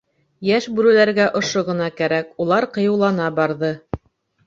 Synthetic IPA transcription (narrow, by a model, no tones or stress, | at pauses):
jæʃbʉɾɘ̆læɾɡæʔŏʃoʁɤ̆nɑkæɾækulˠɑɾqɤ̆jɤ̆wlˠɑnɑbɑɾðɤ